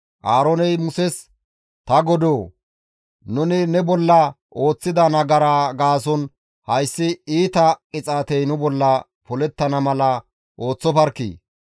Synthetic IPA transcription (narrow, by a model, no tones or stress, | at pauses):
ʔaːɾɔnɛjmʊsɛs | t̪ɐɡɔd̪oː | nʊnɪnɛbɔlːɐ | ʔo̞ːt͡sːɪd̪ɐnɐɡɐɾaɡaːsɔn | hɐjsːɪiːt̪ɐkʼɪt͡sʼaːt̪ɛjnʊbɔlːɐ | pɔlɛt̪ːɐnɐmɐlɐ | ʔo̞ːt͡sːɔpɐɾkːḭ